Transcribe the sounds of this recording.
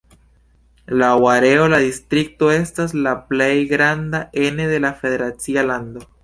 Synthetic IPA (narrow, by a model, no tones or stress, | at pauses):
lawaɾe̞o̞ladistɾik̚to̞e̞staslaple̞jɡɾandae̞ne̞ðe̞lafe̞ðe̞ɾat͡sialando̞